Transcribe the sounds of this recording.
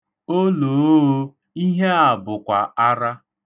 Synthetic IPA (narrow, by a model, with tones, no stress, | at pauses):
o˦loː˨˦ | i˦ɦe˦a˨bʊ˨kʷa˨a˦ɾa˦